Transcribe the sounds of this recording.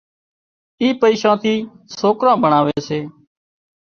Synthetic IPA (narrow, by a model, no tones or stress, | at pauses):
iːpəiːʃãːt̪ʰiː | soːkɾãːbəɳaːʋeːseː